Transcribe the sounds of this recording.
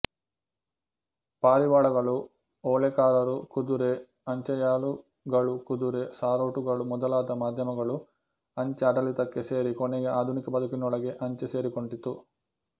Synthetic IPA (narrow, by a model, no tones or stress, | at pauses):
paːɾiʋaːɭɐɡɐɭu | ɔːɭɛkaːɾɐɾukud̪uɾe | ɐɲt͡ʃɐjaːlu | ɡɐɭukud̪uɾesaːɾoːʈuɡɐɭumɔd̪ɐlaːd̪ɐmaːd̪ʱjɐmɐɡɐɭu | ɐɲt͡ʃeɐɖɐlit̪ɐkːese̞ːɾikɔnɛɡeʔaːd̪ʱunikɐpɐd̪ɐkinɔɭɐɡe̞ʔɐɲt͡ʃese̞ːɾikoɳɖit̪ːu